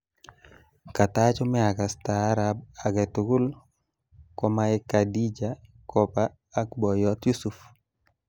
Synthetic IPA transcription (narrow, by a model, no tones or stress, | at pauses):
katat͡ʃɔmɛakastaɾab̚aɡɛtuɡʊl | kɔmaikadid͡ʒa | kɔpaː | kbɔjɔtjusuf